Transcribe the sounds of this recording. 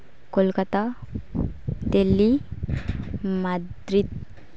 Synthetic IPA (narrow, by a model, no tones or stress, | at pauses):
kolkat̪a | d̪elːi | mad̪ɾit̪̚